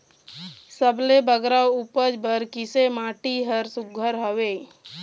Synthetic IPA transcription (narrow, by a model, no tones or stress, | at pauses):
səblebəɡɾaupəd͡ʒbəɾkɪsemaːʈiɦəɾsʊɡʱːəɾɦəwe